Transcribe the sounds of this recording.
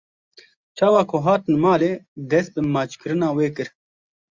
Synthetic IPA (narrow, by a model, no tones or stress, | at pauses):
t͡ʃʰaːwɑːkʰoɦaːt̪nmaːleːd̪ɛs̚bɨmaːt͡ʃkɨɾɨnaːweːkɨɾ